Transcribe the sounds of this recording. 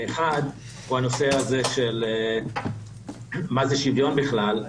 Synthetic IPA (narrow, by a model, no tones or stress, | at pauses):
eχad̪ | huano̞seazeʃel | mazeʃivjo̞nbiχlal